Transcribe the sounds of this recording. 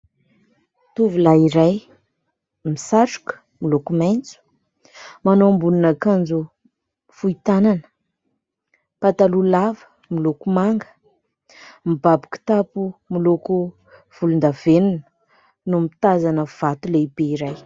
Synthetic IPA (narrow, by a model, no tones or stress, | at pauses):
t̪uvulaiɾaj | misaʈ͡ʂu̥kə̥ | milokumajnt͡su̥ | manoambuninakand͡zu | fuit̪ananə̥ | pat̪alulavə̥ | milokumaŋɡə̥ | mibabiki̥t̪apumiloku | v̥ulund̪avenunə | numit̪azanəv̥at̪uleibeiɾaj